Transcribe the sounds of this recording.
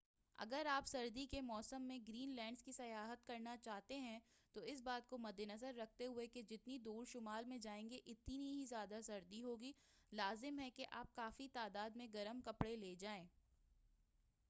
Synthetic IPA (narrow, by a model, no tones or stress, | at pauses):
ɐ̰ɡəɾaːpsɐɾd̪ikemɔːsəmːẽɡɾiːnlɛ̃ːɳɖskisɐjaːɦət̪̚kɐɾnat͡ʃaːɦt̪eɦɛ̃t̪oɪs̬baːt̪̚komɐd̪ʱːenɐzəɾːɐk̚ʰt̪eɦʊeked͡ʒɪt̪nid̪uːɾʃʊmaːlmẽd͡ʒaːẽːŋɡeʔɪt̪niɦizjaːd̪asɐɾd̪iɦoːɡi | laːzɪmɦɛkeʔaːp̚kaːfit̪aːd̪aːd̪mẽɡɐɾəmkɐpɽeleːd͡ʒaːẽː